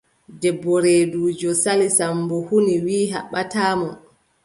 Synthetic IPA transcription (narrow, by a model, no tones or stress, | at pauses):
dɛbːɔɾeːduːd͡ʒɔsalisambɔhuniwiːɦa̰ɓːataːmɔ